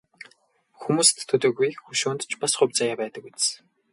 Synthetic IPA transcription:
xumuːst̪ʰːɵt̪ŏːɣujkxɵʃoːnt̪t͡ɕpasχʊ̟pʲt͡sajaːpæːt̪ə̆k̚ut͡s

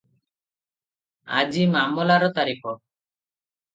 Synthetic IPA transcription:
a̰d͡ʒimamɔlaɾɔt̪aɾikɔ

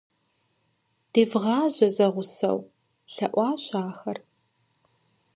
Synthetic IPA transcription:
d̥iːvʁɑːʑɐzɐʁʷʊsɐ̰w | ɬɐʔʷɑːɕaːxɐr

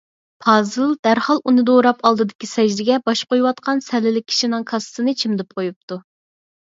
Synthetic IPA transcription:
pʰɑːzɨlˠd̪̥æɾhɑlˠʔunɨd̪oɾɑpɑlˠd̪ɨd̪ɪkʲisɛʒd̪ɪɡʲɛbɑʃqojwɑt̪qʰɑnsɛlɪlɪk̚ʲʰi̥ʃinɨŋkʰɑssɨnɨt͡ʃʰimd̪ɪp̚qʰojup̚t̪ʰu

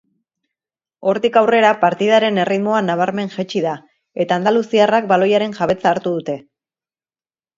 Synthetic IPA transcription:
o̞ɾt̪ikawre̞ɾapaɾt̪ið̞aɾe̞ne̞rit̪mo̞anaβ̞aɾme̞ŋʝet͡ʃiða | e̞t̪aːnd̪alusiarak̚balo̞jaɾe̞ŋʝaβ̞e̞t͡saːɾt̪uðut̪e̞

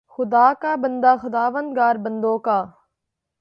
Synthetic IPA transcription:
xʊd̪aːkaːbənd̪aːxʊd̪aːʋənd̪̚ɡaːɾbənd̪oːkaː

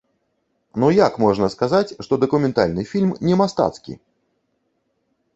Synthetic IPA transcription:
nujakmɔʐnɐskazat͡sʲʂt̪ɔd̪ɐkumʲɛnt̪a̰lʲnɨfʲilʲmnʲɛmast̪a̰t̪skʲḭ

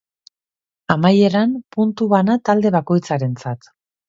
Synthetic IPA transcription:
amaje̞ɾanpunt̪uβanat̪ald̪e̞β̞ako̞jt͡saɾe̞nt͡sat̪

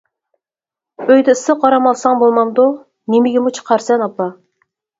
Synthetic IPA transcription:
øjd̪ɪsɨqʰɑɾɑmɑlˠsɑŋbolˠmɑmd̪u | nemɪɡʲɪmut͡ʃʰə̥qʰɑɾsɛnɑpːɑ

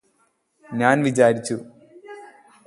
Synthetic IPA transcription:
ɲaːnʋit͡ɕaːɾit͡ɕːu

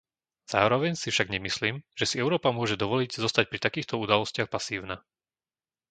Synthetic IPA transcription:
z̥a̰ːɾɔʋɛɲsifʃaɡɲɛmisliːmʒ̥ɛsiɛʊɾɔːpamʊɔʒɛd̪ɔʋɔliɟzɔst̪ac̚pɾit̪akiːxt̪ɔud̪alɔscɪaxpasiːʊna

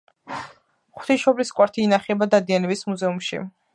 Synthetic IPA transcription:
χu̥t̪ʰiʃɔbliskʼwaɾt̪ʰinaχɛɛbad̪ad̪ianɛbismuzɛumʃḭ

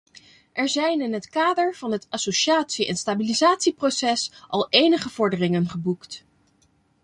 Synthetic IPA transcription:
ʔɛɹzɛjnɪnɦətkaːdəɹv̥ɑnɦətasoʃaːtsiʔɛ̰nstabilizaːtsiprosɛsʔɑlˠejnəχəv̥ɔɹdərɪŋənχəbukt

